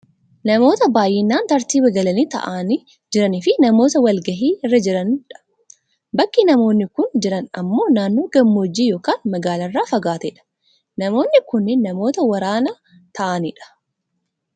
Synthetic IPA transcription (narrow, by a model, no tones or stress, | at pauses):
nɐmo̞ːt̪ɐbaːjːɛnːaːnt̪ɐɾt̪iːbɐɡɐlɐniːt̪ɐ̰ʔaːnɪ | d͡ʒɪɾɐnɪfɪnɐmo̞ːt̪ɐwɐlɡɐɦiːɪrːɐd͡ʒɪɾɐnᶑɐ̥ | bɐkːinɐmo̞ːnːɪkʊnd͡ʒɪɾɐnɐ̰mːo̞ːnaːnːoːɡɐmːo̞ːd͡ʒːiːjo̞ːkaːnmɐɡaːlɐrːaːfɐɡaːt̪ɛᶑɐ̥ | nɐmo̞ːnːɪkʊnːɪnːɐmo̞ːt̪ɐwɐɾaːnɐ | t̪ʰɐʔɐnɪᶑɐ̥